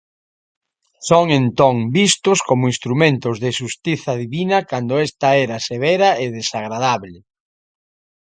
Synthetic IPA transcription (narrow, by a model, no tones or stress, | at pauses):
soŋent̪oŋbist̪ʊskomʊĩnst̪ɾumẽnt̪ʊzðɪʃust̪iθɐðiβinɐkand̪ʊɛst̪ɐɛɾɐseβɛɾɐeðesaɣ̞ɾaðaβlɪ